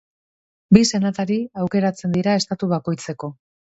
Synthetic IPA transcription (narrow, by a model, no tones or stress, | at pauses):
bise̞nat̪aɾiawke̞ɾat͡se̞nd̪iɾae̞st̪at̪uβako̞jt͡se̞ko̞